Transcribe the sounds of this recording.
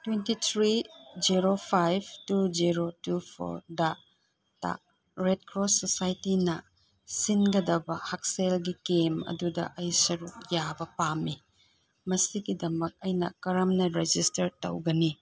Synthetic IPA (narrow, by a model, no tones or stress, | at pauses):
twentit̪ʰɾid͡ʒiɾopʰajbtud͡ʒiɾotupʰo̰ɾdɐ | ta̰ | ɾed̚kɾosːosajtinɐ | sinɡɐdɐbɐhak̚selɡikemɐ̰dudɐ̰ʔɐjsɐɾuk̚jabɐpamːi | mɐsiɡidɐmɐk̚ɐjnɐ̰kɐɾɐmnɐɾed͡ʒistɐɾtɐ̰wɡɐni